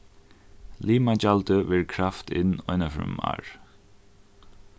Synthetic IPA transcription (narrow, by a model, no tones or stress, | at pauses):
liːmad͡ʒalt̪əʋɪːɹkʰɹaft̪ʰɪ̰nɔɪnafɹʏ̰ma̰ɹ